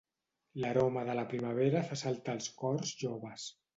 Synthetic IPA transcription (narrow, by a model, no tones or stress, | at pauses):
ləɾoməðələpɾiməβ̞eɾəfasalˠt̪əːlˠskɔrzʒoβəs